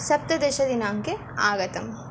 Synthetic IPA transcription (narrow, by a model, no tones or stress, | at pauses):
sɐp̚t̪ɐd̪eːʃɐd̪inaːŋke | aːɡɐt̪ɐm